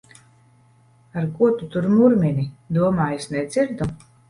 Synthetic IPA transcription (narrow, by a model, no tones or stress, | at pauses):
aɾkuɔt̪ut̪uɾmuɾmʲinid̪uɔmaːjusnɛd̪z̥iɾd̪u